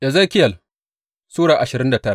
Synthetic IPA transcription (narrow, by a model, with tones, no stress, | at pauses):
ʔa˨zɐ˦kʲɪ˦jɐ˨l | suː˦ɽaː˨ʔa˨ʃɪ˨ɾɪ˦nda˨tɐ˦ɾa̰˦˨